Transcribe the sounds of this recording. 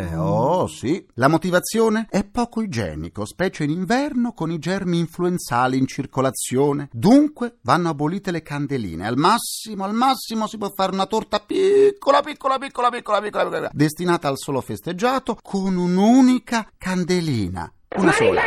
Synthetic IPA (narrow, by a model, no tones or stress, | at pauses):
ɛ̰ɔsilamot̪ivat̪sːjoːneɛpːɔːkoid͡ʒɛ̰ːnḭkospɛːt͡ʃeiniɱvɛrnokonid͡ʒɛrmiːɱfluent̪saːliːnt͡ʃirkolat̪sːjoːned̪uŋkwevanːoaboliːt̪elekand̪elḭːnḛa̰lmasːimoalmasːimosipwɔfːaːɾeunat̪ort̪apikʰːolapikːolapikːolapikːolapikːolapikːoad̪est̪inaːt̪aːlsoːlofest̪ed͡ʒːaːt̪okʰonunuːnikakand̪elḭːna̰ | unasɔːla̰